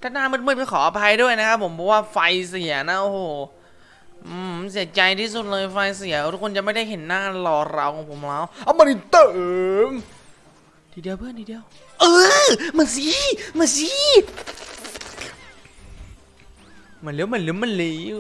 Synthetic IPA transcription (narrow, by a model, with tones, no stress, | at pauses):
t̪ʰaː˧˩naː˧˥˩nm˧˥n̚mɯ˧˥˩t̚ka˧˩kʰɔː˩˦ʔa˧pʰa˧jdu˥˩əjna˦˥kʰa˦˥pʰːo˩˦mpʰɔ˧waː˥˩fa˧jsi˨˩˦ɐna˧˦˥ʔoː˧hoː˨˩ | ʔːsi˨˩˦t͡ɕa˧jt̪ʰiː˥˩su˨˩t̪̚lɤː˧jfa˧jsi˨˩˦u˦˥kʰo˧nt͡ɕa˨˩ma˥˩jda˥˩jɦe˩˦nːaː˥˩lɔː˧ɾa˧wkʰɔː˩˦pʰo˨˩˦mlaː˧˥˩wʔa˧wma˧nʔi˧˦t̪ɤː˨m | t̪ʰiː˧di˧əwpʰɯ˥˩ənt̪ʰiː˧di˧əw | ʔɤː˧maː˧˩si˧˦ma˧˩si˧˦˥ | mɯ˧˩˦nle˧˦˥wmɯ˨˩˦nlɯ˧˦˥mɯ˧˥˨nliː˧˦˥